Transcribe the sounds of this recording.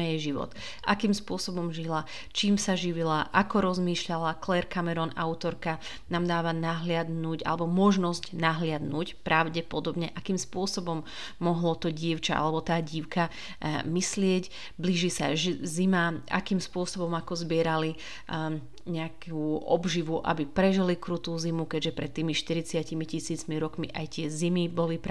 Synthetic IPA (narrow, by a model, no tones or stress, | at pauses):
ɛjɛʒiʋɔ̰t̪ | ʔakiːmspʊɔsɔbɔmʒila | t͡ʃiːmsaʒiʋilaʔakɔɾɔzmiːʃʎalaklɛːɾkamɛɾɔnaʊt̪ɔɾka | naːmd̪aːʋanaɦlɪad̪nuɟa̰lɛbɔmɔʒnɔzcnaɦlɪad̪nucpɾʔaʊɟɛpɔd̪ɔbɲɛʔakiːmspʊɔsɔbɔmː | ɔɦlɔt̪ɔɟɪɛʊt͡ʃaʔa̰lɛbɔt̪aːɟiʊka | mislɪɛɟ | bliːʒisa̰ʒzimaa̰kiːmspʊɔsɔbɔmakɔzbɪɛɾali | ɲɛakuʔɔ̰bʒiʋuʔa̰bipɾɛʒilikɾut̪uːzimukɛɟʒɛpɾɛt̪ːiːmiʃt̪iɾit͡sɪacimicisiːt͡smiɾɔkmiʔajt̪ɪɛzimibɔlip